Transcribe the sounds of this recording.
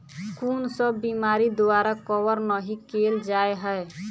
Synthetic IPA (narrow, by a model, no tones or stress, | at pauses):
kunsəbimaɾid̪oaɾakɔwəɾnəɦikeld͡ʒaeɦəe